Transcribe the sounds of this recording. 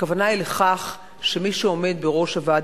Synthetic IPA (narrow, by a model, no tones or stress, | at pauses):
kavanaileχaχ | ʃe̞miʃuo̞me̞d̪̚be̞ʁo̞ʃhavad